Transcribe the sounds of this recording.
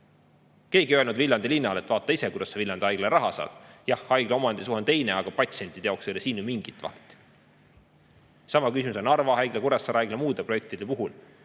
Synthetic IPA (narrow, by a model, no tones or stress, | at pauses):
ke̞ːɡ̥iølnud̪vilʲjɑnd̪̥ilinːɑle̞t̪ːˑvɑːt̪ːˑɑisekujd̪ɑsɑviljɑnd̪eɑjɡlerɑɦɑsɑ̰ːd̪̥jɑhːɑjɡ̥leo̞mɑnd̪̥isuhent̪e̞jneɑɡ̥ɑpɑt̪ʲsent̪ˑid̪̥eɑokselesiːnːumiŋɡ̥it̪ːˑvɑ̰lt̪ːˑ | sɑmɑkysʲimuso̞nɑrvɑhɑjɡ̥lekuɾɑsːɑːɾɑɑjɡ̥lemuːd̪̥e̞proek̚t̪id̪̥e̞puɦul